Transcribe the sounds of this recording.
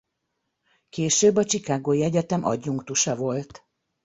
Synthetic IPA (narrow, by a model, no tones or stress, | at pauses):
keːʃøːbːɒt͡ʃikaːɡoːiɛɟɛt̪ɛmʔɒ̰ɟːuŋkt̪uʃɒvo̞lt̪